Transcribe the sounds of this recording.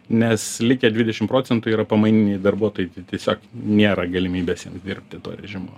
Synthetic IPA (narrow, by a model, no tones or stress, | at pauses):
nʲɛslʲɪkʲɛd̪ʲʋʲɪdʲɛʃʲɪmpɾoːt͡sʲɛnt̪ʊiːɾɐpɐmɐɪnʲɪnʲɛjd̪ɐrbuɔt̪oːjɪt̪t̪ʲiɛsʲoːknʲeːɾɐɡɐlʲɪmʲiːbʲeːsjiɛmsd̪ʲɪrʲpʲt̪ʲɪt̪o̰ːɾʲɛʒʲɪmoː